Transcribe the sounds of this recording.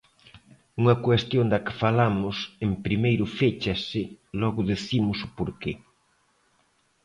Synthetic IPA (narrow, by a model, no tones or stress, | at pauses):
uŋɐkwest̪jõnd̪ɐkɪ̥falamʊsempɾimejɾʊfet͡ʃɐsɪlɔɣʊðeθimʊsʊpoɾke